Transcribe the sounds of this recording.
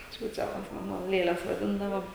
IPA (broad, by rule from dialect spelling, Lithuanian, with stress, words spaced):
ˈt͡ʃʲuːt͡ʃʲɛlˠɐs ˈmɑːnoː ˈlʲeːlʲɛs ʋɐˈdʲɪndɐʋoː